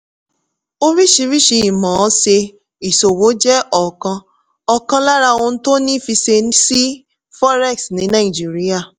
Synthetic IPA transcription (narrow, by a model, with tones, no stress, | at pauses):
o˦ɾi˦ʃi˧ɾi˦ʃi˧i˨mɔ̃˨˦se˧ | i˨so˨wo˨˦d͡ʒɛ˦ʔɔ˨kã˧ | ɔ˨kã˧la˦ɾa˧õ˧n̩˦to˦nĩ˦fi˧se˧n˦si˦ | fɔ˦ɾɛ˦˨ksnĩ˨˦nã˦i˨d͡ʒi˨˦ɾi˦a˦˨